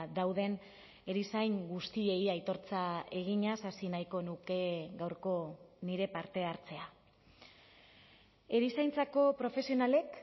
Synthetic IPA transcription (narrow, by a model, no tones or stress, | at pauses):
d̪awðe̞n | e̞ɾisajŋɡust̪ie̞iajt̪o̞ɾt͡sae̞ɣ̞iɲasasinajko̞nuke̞ɡawɾko̞niɾe̞paɾt̪e̞aɾt͡se̞a | e̞ɾisajnt͡sako̞pɾo̞fe̞sio̞nale̞k